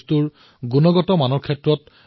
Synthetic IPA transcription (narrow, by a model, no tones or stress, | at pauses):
stuɹ | ɡunɔɡɔtɔmanɔɹkʰɛtɹɔt